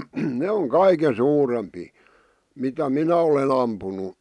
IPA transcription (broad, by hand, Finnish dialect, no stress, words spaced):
ne oŋ kɑike suːrempiː mitæ minæ olen ɑmpunu